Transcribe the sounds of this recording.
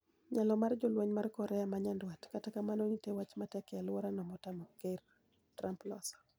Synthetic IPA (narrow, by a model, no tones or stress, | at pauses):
ɲalɔmard͡ʒɔlwaɲmarkɔɾɛamaɲandwatkatakamanonitewat͡ʃmatɛkɛjalwɔɾanɔmɔtamɔker | tɾamplɔ̰sɔ̥